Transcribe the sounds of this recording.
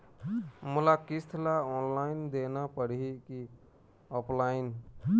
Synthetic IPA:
mʊlakɪst̪ʰlaɔːnlaɪnd̪enapəɽiki | ɔpʰlaːɪn

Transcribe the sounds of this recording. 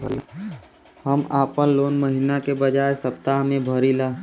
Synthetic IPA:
həmaːpənloːnməɦinakebəd͡ʒaːesəp̚t̪aɦmẽbʱəɾilaː

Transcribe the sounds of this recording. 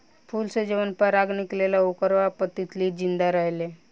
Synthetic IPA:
pʰuːlsed͡ʑeʋənpəɾaɡniklelaukəɾʋapət̪ːit̪liːd͡ʑind̪aɾəɦle

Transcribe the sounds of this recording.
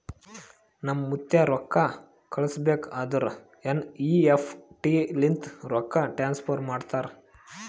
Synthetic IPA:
nɐmɐːut̪jaɾɔkːa | kʰɐɭɐsbeːkɐd̪ɐɾ | eniːepʰʈilint̪ɾɔkːaʈɾaːnspʰoːɾmaːɖt̪aːɾ

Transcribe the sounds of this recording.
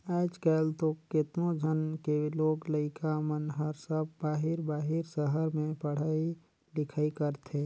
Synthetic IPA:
aːd͡ʒkɛːlt̪oket̪nõd͡ʒʱənkeloːɡləɪkʰamənɦəɾsəbːaːɦɪɾbaːɦɪɾsəɦəɾmẽpəɽ̤aːi | lɪkʰaːikəɾt̪ʰẽ

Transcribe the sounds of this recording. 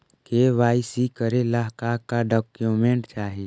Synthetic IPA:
keʋaːɪsikəɾelaɦkakaɖɔːkjumẽɳʈt͡ʃaːɦi

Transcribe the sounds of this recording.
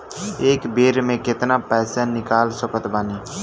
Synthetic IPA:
eːkbeːɾmẽkɪt̪napɛːsanɪkaːlsəkət̪baːniː

